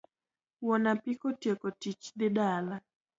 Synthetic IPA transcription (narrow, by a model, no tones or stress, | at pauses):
wɔnapɪkɔtjekɔtit͡ʃd̪ɪdala